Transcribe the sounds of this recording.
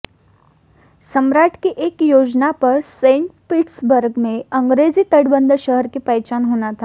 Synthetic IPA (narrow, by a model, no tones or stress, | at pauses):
səmɾaːʈʰkiʔeːkjoːd͡ʒnapɐɾsẽːɳʈpɪʈsbəɾɡmẽɐ̃ŋɡɾeːzit̪əɽbə̃nd̪əɾʃəɦəɾkepəjt͡ʃaːnɦoːnat̪ʰaː